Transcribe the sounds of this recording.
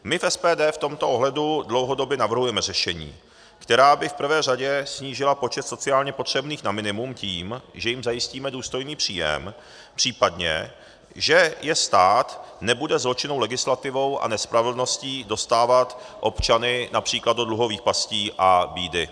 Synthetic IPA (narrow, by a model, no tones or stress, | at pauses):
mɪfɛspɛːdɛːft̪o̞mt̪oʔoɦlɛdudlo̞wɦo̞do̞bjɛnavr̩ɦujɛmɛrɛʃɛɲḭː | kt̪ɛɾaːbɪfpr̩vɛːraɟɛsɲiːʒɪlapo̞t͡ʃɛt̪so̞tt͡sɪaːlɲɛpo̞t̪r̝̥ɛbniːxnamɪnɪmumciːmʒɛjɪmzajɪsciːmɛduːst̪o̞jniːpr̝̥iːjɛ̰m | pr̝̥iːpadɲɛ̰ | ʒɛjɛst̪aːt̪nɛbudɛzlo̞t͡ʃɪno̞wlɛɡɪslat̪ɪvo̞wʔa̰nɛspɾavɪl̩no̞sciːdo̞st̪aːvat̪ | ʔo̞pt͡ʃanɪnapr̝̥iːklad̪̚dod̪luɦo̞viːxpasciːʔabiːdɪ